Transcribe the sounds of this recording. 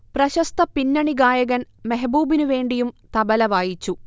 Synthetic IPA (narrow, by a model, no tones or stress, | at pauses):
prɐɕɐst̪ɐpinːɐɳiɡaːjɐɣɐnmeɦɐbuːbinuʋe̞ːɳɖijumt̪ɐbɐlɐʋaːjit͡ɕːu